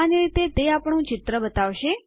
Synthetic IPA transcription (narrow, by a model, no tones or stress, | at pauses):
aniɾit̪et̪eapəɳ̃ũt͡ʃɪt̪ɾəbət̪aʋʃe